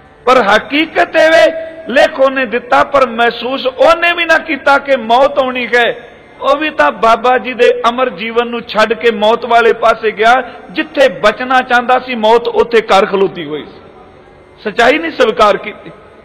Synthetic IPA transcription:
pəɾɦəkiːkət̪eːʋeːleːkʰoːnẽːd̪ɪt̪ːaːpəɾmɛːsuːsoːnẽːʋiːnãːkiːt̪aːkemɔːt̪ɦoːɳ̃iːkɛː | oːʋiːt̪ãːbaːbaːd͡ʒiːd̪eːʔəməɾd͡ʒiːʋənːũːt͡ʃʰəɖkeːmɔːt̪ʋaːleːpaːseːɡɪaːd͡ʒɪt̪ʰːeːbət͡ʃnaːt͡ʃãːnd̪aːsĩːmɔːt̪ʊt̪ʰːeːkəɾkʰəloːd̪iːɦoːḭːsi̥ | sət͡ʃːaːiːnĩːsəʋkaːɾkiːt̪iː

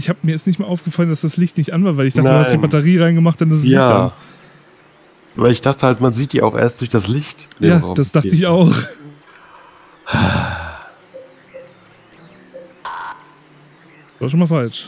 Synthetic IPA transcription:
ʔɪçhaːbəmiɐɛstnɪçtmeːɐʔaʊfɡ̥əfalənd̥asd̥aslɪçtnɪçtʔanvaɐvaɪlɪçdaχntəːhasdiːbatɐʁiːʁaɪnɡəmaχt̚d̥andas̬ɛsɪaan | vaɪlɪçd̥aχtəhaltmanziːt̚d̥iːaʊxʔḛːɐstd̥ʊɐçd̥aslɪçtjaːd̥asd̥aχtəɪçaʊx | h | v̥aːʃonmalfalt͡ʃ

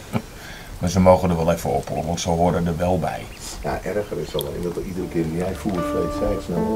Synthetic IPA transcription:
masəmoːɣəndəʋɛlˠɛfəɔ̰pʰo̰ləʋɔntsowɦoːdədəʋɛlˠbɛ̰j | jaʔɛrxərɪsɔlˠɪ̰dɔtidərəkɪːrʋijɛjfuːfleːsɛjsno

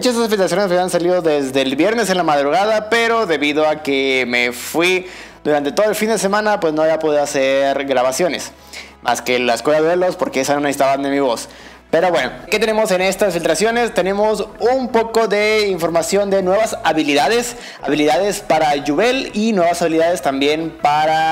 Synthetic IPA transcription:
mut͡ʃasesasfilt̪ɾasjonesmaβiansaliðo̞ðe̞zðe̞lβje̞ɾne̞senlamaðɾuɣaðape̞ɾo̞ðe̞βiðo̞akeme̞fwi | d̪uɾant̪e̞t̪o̞ðoe̞lfind̪e̞semãnapwe̞sno̞eβapo̞ðiðoaseɾɣɾaβasjo̞ne̞s | ma̰skelaeskojaðwelospo̞ɾkeesano̞nesi̥t̪aβanemiβo̞s | pe̞ɾo̞βwe̞no̞ke̞t̪ene̞mose̞ne̞st̪asfilt̪ɾasjo̞ne̞st̪e̞ne̞mo̞sumpo̞ko̞ðe̞iɱfo̞ɾmasjo̞nd̪e̞nwe̞βasaβiliðaðes | a̰βiliðaðe̞spaɾaʝuβe̞linwe̞βasaβiliðaðe̞st̪ambje̞npaɾa

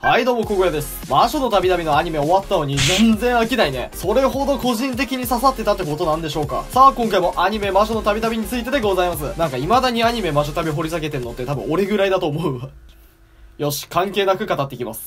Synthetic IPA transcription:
haid̪o̞ːmo̞ko̞ɡojad̪e̞sɨ̥maɕo̞no̞t̪abʲit̪abʲino̞aɲ̟ime̞oβat̪ːajoːɲ̟id͡zẽ̞nzẽ̞ɰ̃akʲinaine̞̰so̞ɾe̞ɦo̞d̪o̞ko̞ʑĩnt̪̬e̞kʲiɲ̟isasat̪ːe̞t̪at̪ːeko̞t̪o̞nãnd̪e̞ɕo̞ːka̰saːkõŋkaimo̞ʔaɲ̟ime̞maɕo̞not̪abʲit̪abʲiɲ̟it͡sɨit̪e̞d̪e̞ɡo̞zaimas̬ɨnãŋkaimad̪aɲ̟iaɲ̟ime̞maɕ̬o̞t̪abʲiɦo̞ɾʲis̬aɡe̞t̪e̞ɾɯ̟no̞t̪ːet̪abɯ̟̃oɾe̞ɡɯ̟ɾaid̪at̪o̞ːmo̞ɯ̟βa | jo̞ɕi̥kãŋke̞ːnakɯ̟kat̪at̪ːe̞kʲimasɨ̥

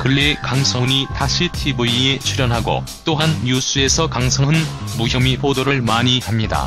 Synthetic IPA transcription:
kɯɭːekaŋsʰʌɲitaɕʰitʰibuie̞t͡ɕʰuɾjʌnɦaɡo̰ | t͈oɦanjus͈ʰɯe̞sʰʌkaŋsʰʌɦɯnmuçjʌmipʰodoɾɯɭmaɲihamɲida̰

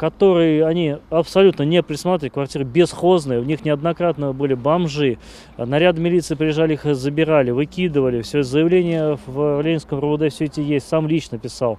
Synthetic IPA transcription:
kɐt̪o̞ɾɨjəɐnʲiɐpsɐlʲut̪nənʲɪpɾʲɪt̪smat̪ɾʲɪvlʲtʲkvɐrtʲiɾɨbʲɪsxo̞znɨjəvnʲixnʲɪɐd̪nɐkɾat̪nəbɨlʲɪbɐmʐɨ | nɐɾʲad̪mʲɪlʲit̪sɨːpɾʲɪjɪʐalʲɪixzəbʲɪɾalʲɪvɨkʲid̪ɨvəlʲɪfsʲoɛzəjɪvlʲenʲɪjəvlʲenʲɪnskəmɾʊd̪efsʲɵet̪ʲɪjesʲtʲsamlʲit͡ɕnəpʲɪsalˠ

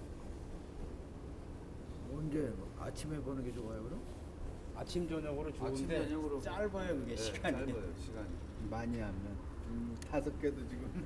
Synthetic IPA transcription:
ʌnd͡ʑe̞a̰t͡ɕʰimebʌnɯŋɡe̞t͡ɕoɡajoɡɯɾo | a̰t͡ɕʰimd͡ʑʌɲaɡɯɾot͡ɕonimdeʌɲaɡɯɾot͡ɕaɭbajʌkɯɡeɕʰiɡaɲijoɕʰiɡaɲi | maɲiɦamjʌn | t͡ɕomtʰasʰʌk͈edot͡ɕiɡɯm

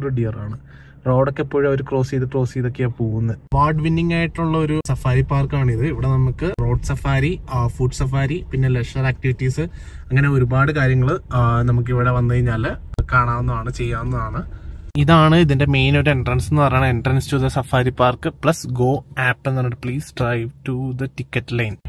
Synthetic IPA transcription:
oɾuɖijɐraːɳɨ | ro̞ːɽo̞kːepːoːɻo̞ɾukro̞ːsiːðɨkro̞ːsiːðo̞kːejaːpo̞ːɣunːɐðpaːɖʋinːiŋɡaːjiʈːuɭːɐo̞ɾusɐfaːɾipːaːrkaːɳɨiðɨiʋiɽe̞nɐmukːɨro̞ːɖsɐfaːɾifuːɖsɐfaːɾipinːe̞leʂɐɾaːk̚ʈiʋiʈːisɨ | ɐŋːɐne̞o̞ɾubaːɽɨkaːɾjɐŋːɐɭɨnɐmuk̬ːiʋiɽe̞ʋɐnːɨkɐɾiɲːaːlkaːɳaːnːɐðaːɳɨt͡ɕe̞jːaːnːɐðaːɳɨiðaːɳɨiðinde̞me̞jnoɾenɖrɐnsenːɨpɐrɐɲaɳenɖrɐnsɨtuðɐsɐfaːɾipːaːrkɨpɭɐsɡo̞ːaːpːenːɐnɐɖɨpɭiːsɖrɐjʋʈud̪ɐʈikːɐʈːlɐjn

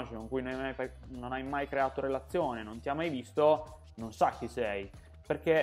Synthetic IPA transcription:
t͡ʃikoŋkuːjnonamːajfanonajmajkɾeaːt̪oɾelat̪sːjoːnenont̪iamːajvist̪o | nonsak̟ːisɛj | perk̟e

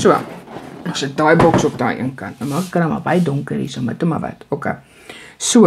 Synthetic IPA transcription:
suə̰nosədɑːjbɔksɔpdɑ̰ːʔḭənkɐnt̚nɐmɑːkəkːənɐma̰bɐjədɔŋkərḭsəmɐtumɐ̰vɐ̰tokḛ | suə

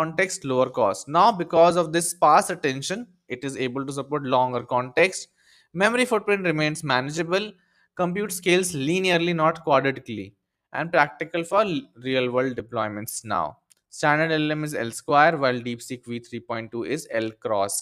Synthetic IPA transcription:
ɔ̃ɳʈeksʈloːəɾkɔ̰ːsnaʊbɪkɔːzɔʋd̪ɪspaːsəʈɛ̃nʃə̃n | ɪʈɪzeːbəlʈus̬əpoːɾʈlɔ̃ːŋɡəɾkɔ̃ːɳʈeksʈ | mɛməɾifʊʈ̚pɾɪ̃ɳʈɾɪmẽːnzmænɪd͡ʒebəl | kə̃mp̬juːʈskeːlsliːniəɾlinɔːʈkwɔːɖɪʈɪklḭ | ʔɛ̰̃ɳɖpɾæk̚ʈɪkəlfɔːɾɾiːəlʋəɾlɖɖɪplɔɪmə̃ɳʈsna̰ʊ | sʈæ̃nəɖelə̃mɪzɛ̰lskwaɪəɾʋaɪlɖiːpsiːkʋiːt̪ʰɾiːpɔ̃ɪ̃ɳʈ̚ʈuːʔɪzɛlkɾɔ̰ːs

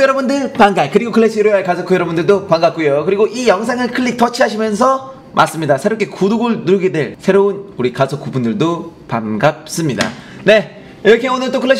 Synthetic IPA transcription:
kɯjʌɾʌbundɯɭpaŋɡakɯɾiɡokʰɯɭːeɕ͈ʰiɾoaɭkasʰʌkɯjʌɾʌbundɯɭdopaŋɡap̚k͈ujokɯɾiɡoʔijʌŋsʰeŋɯɭkʰɯɭːik̚t͈ʌt͡ɕʰiɦaɕʰimjʌnsʰʌ | mʔa̰s͈ɯmɲidasʰeɾopk͈ʰe̞kuduɡɯɭnuɾɯɡedwe̞ɭsʰe̞ɾounuɾikasʰʌkubundɯɭdopaŋɡap̚s͈ɯmɲida̰ | ne̞ | iɾʌkʰe̞onɯɭt͈okʰɯɭːe

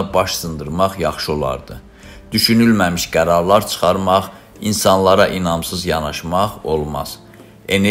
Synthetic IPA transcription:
bɑʃsɯnd̪ɯɾmɑχjɑχʃɯo̞lˠɑ̰ɾd̪ɯ | d̪̥yʃynylmæmiʃɡæɾɑɾlˠɑɾt͡ʃʰɯ̥χɑɾmɑʁ | insɑnlˠɑɾɑʔinɑmsɯzjɑnɑʃmɑʁo̞lˠmɑ̰z̥ | e̞ne

